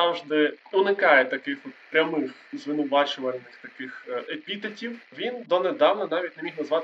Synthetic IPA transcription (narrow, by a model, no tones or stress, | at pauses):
ɑwʒd̪ɪʊnɪkɑjɛt̪ɐkɪxʋɔt̪pɾʲɐmɪxzʋɪnʊʋɑt͡ʃʊʋɐlʲnɪxt̪ɐkɪxepʲit̪ɐtʲiwʋʲind̪ɔned̪ɑwnɐnɑʋʲitʲnemʲixnɐzʋɑt̪